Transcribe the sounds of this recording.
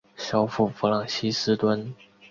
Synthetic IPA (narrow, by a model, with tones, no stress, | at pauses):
ɕjɑ˥ʊfu˥˩fu˧˥lɑ˨˩ŋɕi˥sɹ̩˥t̪wə˥n